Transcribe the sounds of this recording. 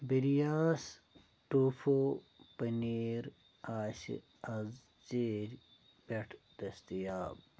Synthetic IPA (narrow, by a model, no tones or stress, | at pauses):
biɾijaːs | ʈufo | pɐniːɾ | aːsḭ | ɐz | t͡ʃeːɾ | peʈʰd̪ɐst̪ijaːb